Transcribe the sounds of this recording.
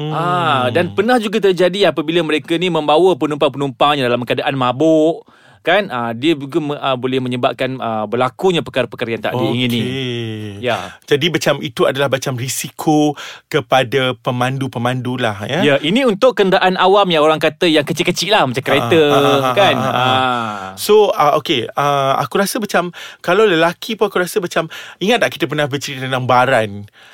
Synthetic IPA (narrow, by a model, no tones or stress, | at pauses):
adanpənãhd͡ʒuɡat̪̬ərd͡ʒadiapəbiləməɾekanimə̃mbawəpənumpaŋpənumpaŋɲadalamkəadaʔanmãbʊʔ | kanədiəd͡ʒuɡaməbolɛhmə̃ɲəba̰p̚kanəbəlakuɲãpəkaɾapəkaɾajaŋt̪a̰ʔiəiŋinni | jad͡ʒadibat͡ʃamit̪uadalahbat͡ʃamrisikʰokəpadapəmandupəmandulahjajaʔinĩunt̪ʊʔkːənɾaʔanawamjaoɾaŋkat̪əjaŋkət͡ʃiʔkːət͡ʃiʔlahmat͡ʃamkɾet̪əkana | soəʔokeəa̰kuɾasəmat͡ʃamkalawləlakʰipunakuɾasəmat͡ʃamiŋat̪̚naʔkit̪əp̬ənahbət͡ʃəɾit̪ənaŋbaɾan